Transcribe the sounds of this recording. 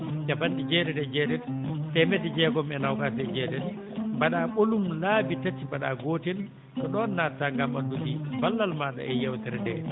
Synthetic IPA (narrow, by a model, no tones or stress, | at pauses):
d͡ʒabandid͡ʒɛːdɛdɛd͡ʒɛːdɛntɛmɛdɛd͡ʒɛɡɔmɛnawkatɛd͡ʒɛːdɛn | baɗaɓolumlaːbitatimbaɗa̰ɡoːtɛn | tɔɗɔːnːatːaŋɡamandudibalːalmaɗa̰ʔɛjɛwtɛɾɛdɛ